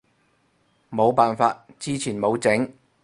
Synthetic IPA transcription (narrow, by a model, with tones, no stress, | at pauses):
mo˨˧wpaː˨nfaː˧t̚t͡siː˥t͡sʰiː˨˩nmo˨˧wt͡sɪ˨˥ŋ